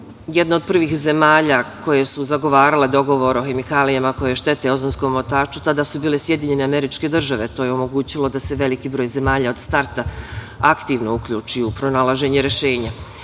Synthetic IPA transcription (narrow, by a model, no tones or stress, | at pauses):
jed̪nao̞d̪̚pr̩ʋiːxze̞maːʎako̞je̞suzaɡo̞ʋaːɾale̞d̪o̞ɡo̞ʋo̞ɾoxe̞mikaːlijamako̞jeʃt̪e̞t̪e̞o̞zonsko̞mːot̪aːt͡ʃu̥t̪ad̪aːsubiːle̞sje̞d̪iɲe̞ne̞ame̞ɾit͡ʃke̞d̪r̩ʒaʋe̞t̪ojeomo̞ɡuːt͡ɕilo̞d̪ase̞ʋe̞likibɾojze̞maːʎaːo̞d̪st̪aɾt̪a | akt̪iːʋno̞ukʎuːt͡ʃiupɾo̞nalˠaʒe̞ɲeɾe̞ʃe̞ːɲa